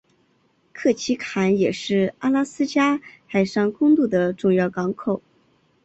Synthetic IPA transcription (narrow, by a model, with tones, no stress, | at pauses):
kʰɤ˥˩t͡ɕʰi˧˥kʰa˧˥njɛ˨˩ʂɻ̩˥˩a˥la˥sɹ̩˥t͡ɕja˥xa˨˩ɪʂɑ˥˩ŋkʊ˥ŋt̪u˥˩d̪ə˩ʈ͡ʂʊ˥˧ŋjɑ˥˩ʊkɑ˧˥ŋkʰo˨˩ʊ